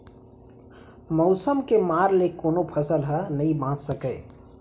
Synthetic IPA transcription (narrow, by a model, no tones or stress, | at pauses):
mɔʊsəmkemaːɾlekoːnopʰəsəlɦənɐɦĩbãːssəkəː